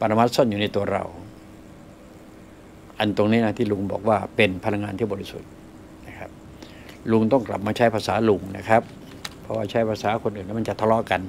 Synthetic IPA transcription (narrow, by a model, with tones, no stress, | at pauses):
pa˧ɾa˧ma˦˥t̪̚sɔ˥˩njuː˨˩na˧jt̪u˧ɐɾa̰˧˩w | ʔa˧nt̪o˧ŋniː˦˥na˦˥t̪ʰiː˥˩lu˧ŋbɔ̰ː˨˩k̚waː˥˩pe˧npʰa˧la˧ŋaː˧t̪i˥˩bɔː˧ɾi˦sṵ˨˩t̪̚ | na˦˥kʰa˦˥p̚ | lu˧ŋt̪ɔ˥˩ŋkla̰˨˩p̚maː˧t͡ɕʰa˦˥jpʰaː˧saː˩˦lu˧ŋna̰˦˥kʰa˦˥p̚ | pʰːɔ˧waː˥˩t͡ɕʰa˦˥jpʰaː˧saː˩˦kʰo˧nʔɯː˨˩na˦˥ma˧˥˨t͡ɕa˨˩t̪ʰa˧lɔ˦˥ka˧n